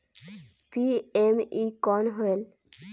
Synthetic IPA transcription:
piemikɔnɦoel

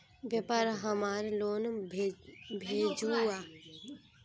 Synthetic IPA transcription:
bjəpaːɾɦəmaːɾloːn | bʱeːd͡ʒua

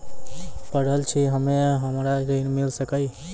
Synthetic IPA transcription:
pəɽ̤əlt͡ʃʰiɦəmeɦəmɾaɾəinmilsəkəj

